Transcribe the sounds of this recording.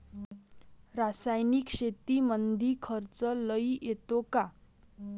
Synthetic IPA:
ɾasajnikʂet̪imənd̪ʱikʰʌɾt͡sʌləjet̪oka

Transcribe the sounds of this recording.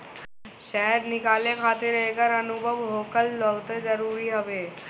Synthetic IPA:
ʃɛɦəɾnɪkaːlekʰaːt̪eɾəɦekəɾɐnʊbʱəʋɦoːkəlːoɡt̪ed͡ʒəɾuːɾiɦɐʋeː

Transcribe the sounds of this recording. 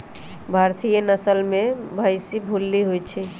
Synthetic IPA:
bʱaɾt̪ʰijənəsəlmebʱəɪsibʱulːiɦojt͡ʃʰi

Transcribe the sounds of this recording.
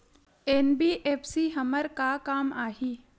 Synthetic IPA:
eːnbiːʔeːpʰsiɦɐməɾkakaːmaːɦiː

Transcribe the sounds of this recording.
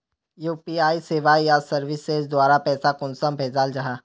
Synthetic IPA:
juːpiːaːiseːʋajasɐɾʋɪsezd̪waːɾapɛːsakʊnsəmbʱeːd͡ʒaːld͡ʒaɦaː

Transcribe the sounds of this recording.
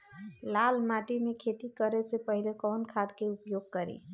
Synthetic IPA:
lalmaʈimekʰet̪ikəɾesepəɦɪlekɔːnkʰad̪keʊpjoɡ̚kəɾḭ

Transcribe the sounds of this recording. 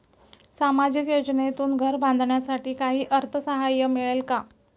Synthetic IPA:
samad͡ʑikjod͡ʑnet̪uːnɡʱəɾband̪ʱɳjasaʈiːkaɦiːʔəɾt̪ʰəsəɦajːəmiɭelka

